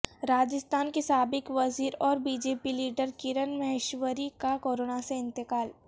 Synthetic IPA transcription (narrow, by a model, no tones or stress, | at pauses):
ɾaːd͡ʒɪst̪ʰaːnkesaːbɪkʋɐziːɾɔːɾbiːd͡ʒeːpiliːɖəɾkɪɾənmɛɦɪʃwəɾikakoːɾoːnaseɪ̃nt̪ɪkaːl